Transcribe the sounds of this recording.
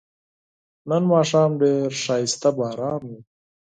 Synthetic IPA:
nənmɑːʂɑːmɖeːɾʂɑːjɪst̪abɑːɾɑːmu

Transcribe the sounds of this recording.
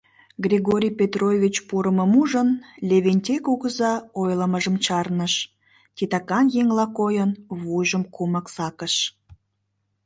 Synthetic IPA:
ɡrʲeɣoɾʲijpʲet̪rojvʲit͡ɕpuɾəməmuʒənlʲeβenʲtʲekuɣəzɑojləməʒəmt͡ɕɑrnəʃ | tʲit̪ɑkɑnjeŋlɑkojənβujʒəmkuməksɑkəʃ

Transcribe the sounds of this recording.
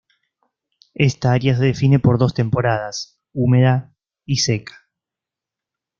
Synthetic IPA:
est̪aaɾjas̬e̞ðefine̞po̞ɾðo̞st̪e̞mpo̞ɾað̞as | ume̞ða | isekḁ

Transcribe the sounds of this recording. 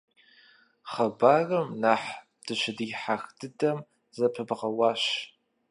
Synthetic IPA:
χɐbaːrɨmnaħ | d̥ɨʃɪdiħaxdʰɨdɐm | zɐpʰɨbʁɐwaːʃ

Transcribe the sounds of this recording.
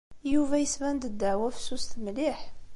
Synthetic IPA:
juvæjəsvænd̪əd̪ːəʕwæfə̥sust̪mliħ

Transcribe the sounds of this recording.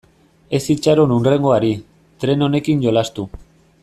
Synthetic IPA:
e̞sit͡ʃaɾonunre̞ŋɡoaɾi | t̪ɾe̞no̞ne̞kinɟo̞last̪u

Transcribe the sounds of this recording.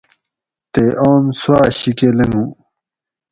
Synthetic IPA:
t̪eʔoːnswaːɕikeleŋũ

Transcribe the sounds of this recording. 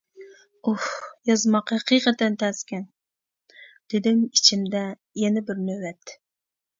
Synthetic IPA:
uhjɑzmɑqhɛqʰɨjqɛt̪ɛnt̪ʰɛskʲɛn | d̪̥ɪd̪ɪmit͡ʃʰimd̪ɛ | jɛnɪbɪɾnøwɛt̪ː

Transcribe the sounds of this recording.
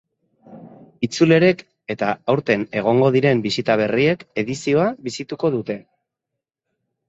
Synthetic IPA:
it͡sule̞ɾe̞k | e̞t̪aawɾt̪e̞ne̞ɣ̞o̞ŋɡoðiɾe̞mbisit̪aβ̞e̞rie̞ke̞ðisio̞aβisit̪uko̞ðut̪e̞

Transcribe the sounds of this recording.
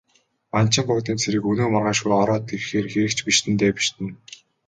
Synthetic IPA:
an̥t͡ɕɪ̆mpʊkt̪iːnt͡sʰeɾɘ̆kɵnoːmɔrʁaːʃɡujɔɾɔːt̪̚ɡerxeːrxeɾɘ̆kt͡ɕpiʃt̪ɘ̆nt̪eːpi̥ʃt̪ɘ̆n

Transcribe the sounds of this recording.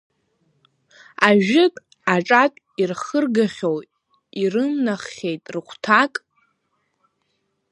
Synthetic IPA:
aʒᶣɪkʼ | aʈ͡ʂʼakʼ | irχərɡaχʲow | irɨnːaχːʲejtʼrɨχʷʰtʰakʼ

